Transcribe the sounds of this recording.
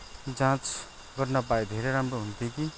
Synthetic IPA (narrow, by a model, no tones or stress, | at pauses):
d͡zãt͡s | ɡʌrnʌpaed̪ʱeɾeɾamroɦunt̪eki